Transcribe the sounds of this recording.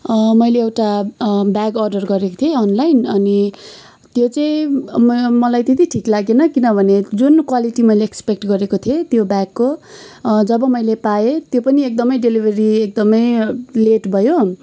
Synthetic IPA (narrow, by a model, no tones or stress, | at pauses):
mʌjleːwʈabaɡʌrɖʌrɡʌɾekot̪ʰjeʌnlajnʌni | t̪jot͡sʌĩ | mʌlajt̪et̪iʈʰiklaɡenʌkinʌbʱʌned͡zunkwaliʈimʌjleːkspek̚ʈɡʌɾekot̪ʰiet̪jobaɡko | d͡zʌbʌmʌjlepaet̪jopʌniek̚d̪ʌmʌjɖelibʱeɾiek̚d̪ʌmʌjleʈbʱʌjo